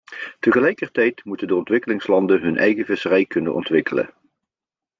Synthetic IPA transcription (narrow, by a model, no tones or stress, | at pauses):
təχəlɛjkərtɛjtmutəndəɔntʋɪkəlɪŋslɑndənɦɵnʔɛ̰jχəvɪsərɛjkɵnənʔɔ̰ntʋɪkələ̰